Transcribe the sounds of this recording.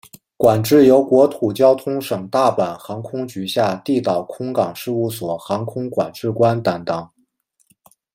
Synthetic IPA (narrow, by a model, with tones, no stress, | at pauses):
kwa˨˩nʈ͡ʂɻ̩˥˩jo˧˥ʊkwɔ˧˥t̪ʰu˨˩t͡ɕjɑ˥ʊt̪ʰʊ˥ŋʂɤ˨˩ŋt̪a˥˩pa˨˩nxɑ˧˥ŋkʰʊ˥ŋt͡ɕy˧˥ɕja˥˧t̪i˥˩t̪ɑ˨˩ʊkʰʊ˥ŋkɑ˨˩ŋʂɻ̩˥˧u˥˩swɔ˨˩xɑ˧˥ŋkʰʊ˥ŋkwa̰˨˩nʈ͡ʂɻ̩˥˩kwa˥nt̪ɑ˨˩ŋt̪ɑ˨˩˦ŋ